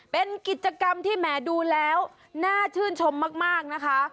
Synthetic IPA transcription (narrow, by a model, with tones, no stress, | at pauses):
pe˧nki˨˩t̪̚t͡ɕa˧ka˧mt̪ʰiː˥˩mɛː˩˦duː˧lɛː˦˥w | naː˥˩t͡ɕ̪ʰɯː˥˩nt͡ɕʰo˧mːaː˥˩k̚maː˥˩k̚na˦˥kʰa˦˥